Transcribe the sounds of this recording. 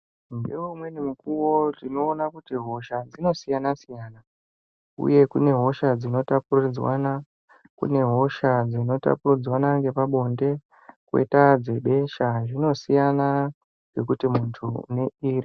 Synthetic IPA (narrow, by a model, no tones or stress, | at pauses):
ndeumwe̞nemukuwotino̞ːnakutiɦo̞ʃad͡zino̞sijanasijaːna | ṵje̞kune̞ɦo̞ʃad͡zino̞tapurid͡zwa̰na | kṵne̞ɦo̞ʃad͡zino̞ta̰purid͡zwanaŋɡe̞paɓo̞nde̞ | kwḛitad͡ze̞ɓe̞ʃaʐino̞sijana | ŋɡe̞kutimuntʰuṵne̞iːri